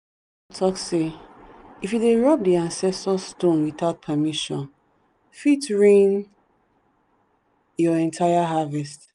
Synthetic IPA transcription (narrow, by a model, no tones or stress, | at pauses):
tʰɔkse | ifjudeɹɔp̚diãnsɛstɔstõnwiθaʊt̚pʰamiʃɔ̃n | fitɹĩn | jɔɛ̃ntʰaɪaɦavɛst